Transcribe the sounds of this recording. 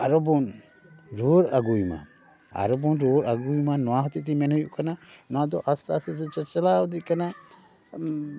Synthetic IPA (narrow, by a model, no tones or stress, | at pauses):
aɾɔbɔn | ɾoɾaɡujma̰ | a̰ɾɔbɔnɾoɾaɡujmanːɔaɦɔt̪it̪imɛnɔjuʔkananad̪ɔʔast̪aset̪ut͡ʃət͡ʃəlaɔd̪ikana